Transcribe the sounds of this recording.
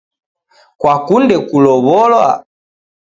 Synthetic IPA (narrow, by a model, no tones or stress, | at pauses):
kwakundɛkulɔβɔlwa̰